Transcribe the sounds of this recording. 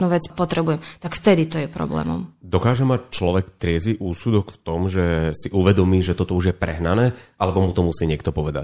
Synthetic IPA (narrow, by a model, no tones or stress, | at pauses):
nuʋɛt͡spɔt̪ɾɛbujɛmt̪akft̪ɛd̪it̪ɔjɛpɾɔ̰blɛ̰ːmɔ̰md̪ɔkaːʒɛmac̚t͡ʃlɔʋɛkt̪ɾɪɛziʔuːsud̪ɔkft̪ɔmʒɛsiʔuʋɛd̪ɔmiːʒɛt̪ɔt̪ɔuʒjɛpɾɛ̰ɦnanɛːʔalɛbɔmut̪ɔmusiːɲɪɛkt̪ɔpɔʋɛd̪a̰c̚